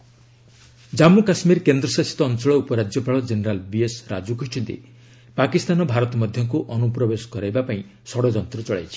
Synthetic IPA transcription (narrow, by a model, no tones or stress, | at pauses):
d͡ʒamukasmiɾkend̪ɾɔsasi̥t̪ɔːnt͡ʃɔɭɔupɔɾad͡ʒjɔpaɭɔd͡ʒeneɾalbiesɾa̰d͡ʒukoɦit͡ʃʰunt̪ḭ | pakist̪anɔbʱaɾɔt̪ɔmɔd̪ʱjɔŋkuʔɔnupɾɔbesɔ̥kɔɾajbapaĩ | sɔɽɔd͡ʒɔnt̪ɾɔt͡ʃɔɭa̰jt͡ʃʰi̥